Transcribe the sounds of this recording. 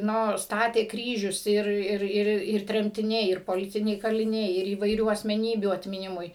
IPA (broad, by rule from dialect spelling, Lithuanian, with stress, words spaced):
ˈnoː ˈstɑːtʲeː ˈkrʲiːʒʲʊs ˈɪr ˈɪr ˈɪr ɪr tʲrʲɛmʲtʲɪˈnʲɛɪ ˈɪr poːˈlʲɪtʲɪnʲɛɪ kɐlʲɪˈnʲɛɪ ɪr iːʋɐɪˈrʲuː ɐsʲmʲɛˈnʲiːbʲuː ɐtʲmʲɪˈnʲɪmʊɪ